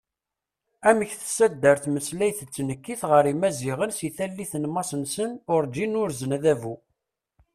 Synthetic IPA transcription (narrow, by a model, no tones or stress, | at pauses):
æməçθsæd̪ːəɾθməslæjθət͡sːnəkːiθʁəɾimæziʁənsiθælːiθənmɑsənsənʊɾd͡ʒinʊɾzənæðævu